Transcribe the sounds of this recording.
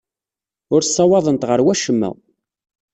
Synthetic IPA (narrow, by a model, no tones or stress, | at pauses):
ʊɾsˤːɑwɑðˤənt̪ʁəɾwæʃəmːæ̰